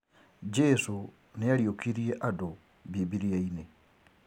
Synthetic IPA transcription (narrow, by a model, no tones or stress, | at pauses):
d͡ʒesu | nejaliokiɾieʔado | bibiɾiaine